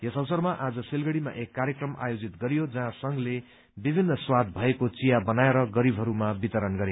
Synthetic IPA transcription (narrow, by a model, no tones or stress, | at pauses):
jʌsʌwsʌrmaʔad͡zʌsilɡʌɽima̰ʔekːarjekrʌmʔa̰jod͡zit̪ɡʌɾijod͡zʌɦãsʌŋle | bibʱinːʌswad̪̚ʱbʱʌekot͡sijabʌnaeɾʌɡʌɾibʱɦʌɾumabit̪ʌɾʌnɡʌɾe